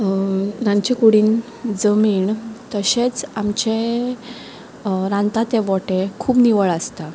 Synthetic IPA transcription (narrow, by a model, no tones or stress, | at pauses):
ɾãnt͡ɕekuɽiːn | d͡zəmiːɳt̪əɕet͡samt͡ɕe | ɾãnt̪at̪eʋɔʈekʰuːpniʋəɭəst̪a